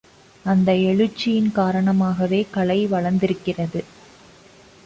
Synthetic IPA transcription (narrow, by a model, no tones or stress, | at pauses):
ɐnd̪ɐɛɻɯt͡ʃːɪjɪnkaːɾɐɳɐmaːɣɐʋeːkɐɭɐɪʋɐɭɐnd̪ɪɾɯkːɪrɐðɯ